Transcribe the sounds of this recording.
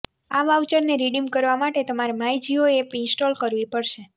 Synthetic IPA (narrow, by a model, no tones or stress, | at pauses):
aʋaʋt͡ʃəɾneɾiɖimkəɾʋamaʈet̪əmaɾemajd͡ʒioepɪnsʈolkəɾʋipəɽʃe